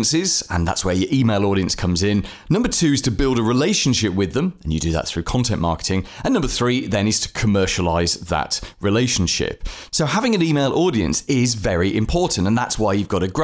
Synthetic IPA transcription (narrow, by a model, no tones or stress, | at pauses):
nsɪz̥ə̰̃nða̰tswə˞jəɹʔiːmeɪlˠɔːɾiə̃nskʰʌ̃mzɪ̃nː | ʌ̃mbətʰʉːɪz̥tʰəbɪlˠdəɹɪleɪʃə̃n̩ʃɪp̚wɪðə̃mə̃njədɨðə̰t̪̚θɹʉːkʰɒ̃ntʰɛ̃nʔmɑ̰ˑkɪ̥tʰɪ̃ŋə̃nːʌ̃mbəθɹiːðə̃nɪz̥tʰə̥kʰəmɜˑʃəlaɪzðə̰ʔɹɪleɪʃə̃n̩ʃɪ̰p̚soʊhavɪ̃ŋɨ̃niːmeɪlˠʔɔːɾiə̰̃nsɪzvɛɹiʔɪ̰̃mpʰɔˑɹʔn̩tə̃nða̰tswaɪjʉvɡɒɾəɡ